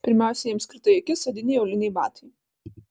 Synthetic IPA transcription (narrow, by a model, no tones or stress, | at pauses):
pʲɪɾʲmʲæˑʊsʲɛjiɛmsʲkʲɾʲɪt̪ɐjɪkʲɪsɐd̪ʲɪnʲɛjoʊlʲɪnʲɛɪbɑ̰ːt̪ɐɪ